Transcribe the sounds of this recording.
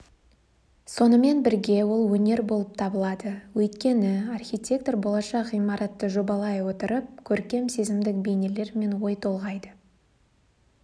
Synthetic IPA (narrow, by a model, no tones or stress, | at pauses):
so̞nəme̞nbɪɾɡʲe̞wo̞lˠwɵne̞ɾbo̞lˠəp̚t̪ʰɑbəlˠɑd̪əwɵjt̪kʲe̞nɪɑrxʲijt̪ʲe̞k̚t̪orbo̞lˠɑʃɑqijmɑɾɑt̪ːəʒo̞bɑlˠɑjwo̞t̪əɾəp̚kʲʰɵɾkʲe̞mse̞zɪmd̪ɪk̚be̞nʲe̞le̞ɾme̞nwo̞jt̪ʰo̞lˠʁɑjd̪ə